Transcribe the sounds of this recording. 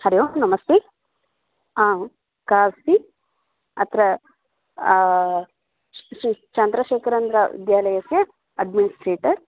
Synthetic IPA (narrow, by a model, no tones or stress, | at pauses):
hɐɾjoːnɐmɐst̪eː | ã | kaːsi | ɐt̪ʰɾɐ | ʃit͡ʃɐnd̪ɾɐʃeːkʰɐɾɐnd̪ɾɐʋḭd̪jaːlɐjɐsjɐ | ɐɖminisʈɾeːʈɐɾ